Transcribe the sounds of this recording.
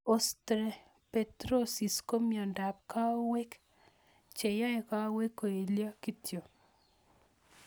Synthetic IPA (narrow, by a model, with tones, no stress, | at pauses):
ɔ˨stɾe˨ | pe˨tɾo˦si˨sko˦mjɔ˨nda˨p̚ka˦we˦k | t͡ʃe˨ja˦eka˦we˦kːo˨e˨lja˦ki˦tʰjo˨